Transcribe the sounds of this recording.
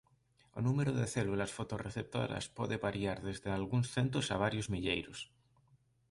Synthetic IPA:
o̰numeɾoðeθelulasfot̪oreθep̚t̪o̰ɾa̰spoðeβaɾiaɾðezðealɣuŋsθent̪osaβ̞aɾjozmiʎejɾo̰s

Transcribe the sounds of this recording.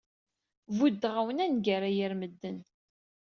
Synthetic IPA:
vud̪ːʁawənænɡaɾajəɾməd̪ːən

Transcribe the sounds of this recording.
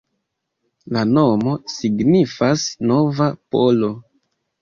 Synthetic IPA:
lanomo̞siɡnifasnovapo̞lo̞

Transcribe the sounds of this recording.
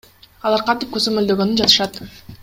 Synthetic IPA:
ɑlˠɑɾqʰɑnt̪ip̚kø̞zø̞mø̞ld̪ø̞ɡø̞nynd͡ʒɑt̪ɯ̥ʃɑt̪

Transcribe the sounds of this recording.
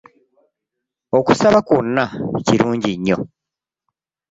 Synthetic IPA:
o̞ku̥saβakunːaciɾuːɲɟiɲːo̞̰

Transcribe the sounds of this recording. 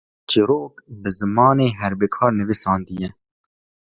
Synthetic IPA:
t͡ʃiɾoːk̚bɨzɨmɑːneːɦɛɾbeːkʰɑːɾnɨvisɑːnd̪ijɛ

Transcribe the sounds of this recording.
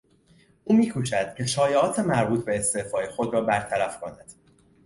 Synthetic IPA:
ʔuːmiːkʰuːt͡ʃʰæd̪̥cʰe̞ʃɒːjeɒːt̪ʰemæɾbuːt̪ʰbe̞ːst̪e̞ːfɒːjexo̞d̪ɾɒːbæɾt̪ʰæɾæfkʰo̞næd̪̥

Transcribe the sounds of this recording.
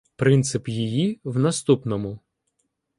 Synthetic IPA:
pɾɪnt̪sɪpjijiwnɐst̪upnɔmʊ

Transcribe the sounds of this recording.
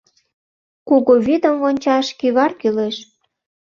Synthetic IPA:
kuɣoβid̪əmvonʲt͡ɕɑʃkiβɑrkyleʃ

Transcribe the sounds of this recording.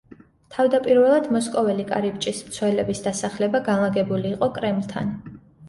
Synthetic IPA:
t̪ʰavd̪apʼiɾvɛlˠad̪mɔskʼɔvɛlikʼa̰ɾipt͡ʃʼismt̪sʰwɛlɛbisd̪asaχlɛbaɡanlˠaɡɛbuliːqʼɔkʼɾɛmlˠt̪ʰa̰n

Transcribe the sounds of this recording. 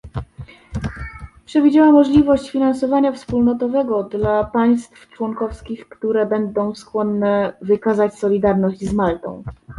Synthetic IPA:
pʂɛvʲid͡ʑawamːɔʐlʲivɔɕt͡ɕfʲinansɔvaɲafspulnɔt̪ɔvɛɡɔd̪lapaj̃st̪ft͡ʂwɔŋkɔfskʲixkt̪uɾɛbɛnd̪ɔ̃w̃skwɔnːɛvɘkazat͡ɕsɔlʲid̪aɾnɔʑd͡ʑzmalt̪ɔ̰̃w̃

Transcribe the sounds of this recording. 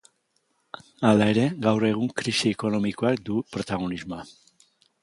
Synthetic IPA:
alae̞ɾe̞ɣawre̞ɣ̞uŋkɾisieko̞no̞miko̞akd̪upɾo̞t̪aɣ̞o̞nizmoa

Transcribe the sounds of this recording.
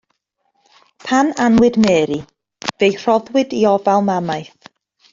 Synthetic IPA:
pʰananwɨdmɛːɾi | vejr̥ɔðwɪdiɔvalˠmamajθ

